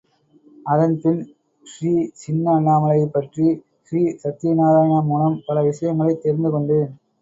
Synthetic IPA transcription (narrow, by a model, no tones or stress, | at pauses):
ɐðɐnpɪn | ʂɾiːt͡ʃɪnːanaːmɐlɐjɐɪpːɐʈri | ʃɾiːsɐt̪ːinaːɾaːjɐɳamuːnɐmpɐlɐʋɪʂɐjɐŋɡɐɭɐɪt̪ːeːɾnd̪ɯkɔɳɖɯ